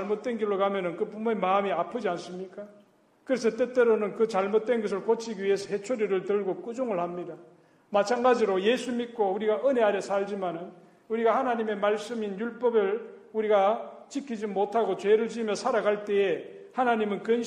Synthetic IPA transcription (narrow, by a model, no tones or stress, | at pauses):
ɭmot̚t͈we̞nɡiɭːokamjʌnɯnkɯpumoemaːmiapʰɯd͡ʑians͈ɯmɲik͈a | kɯɾe̞s̬ʰʌt͈et͈eɾonɯnkɯt͡ɕaɭmot̚twe̞nɡʌs̬ʰɯɭkot͡ɕʰiɡiɥie̞sʰʌhe̞t͡ɕʰoɾiɾɯɭtɯɭɡok͈ud͡ʑoŋɯɭhamɲida | mat̚t͡ɕʰaŋɡad͡ʑiɾoje̞sʰumit̚k͈ouɾiɡaʔɯne̞aɾjesʰaɭd͡ʑimanɯn | uɾiɡahanaɲime̞maɭs͈ɯminjuɭp͈ʌbɯɭuɾiɡat͡ɕikʰid͡ʑimotʰaɡot͡ɕwe̞ɾɯɭt͡ɕimjʌsʰaɾaɡaɭt͈e̞e | hanaɲimɯnkɯn